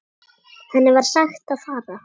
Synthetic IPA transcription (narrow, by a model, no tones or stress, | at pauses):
hanːɪvaɾ̥saxt̪aðfaːɾa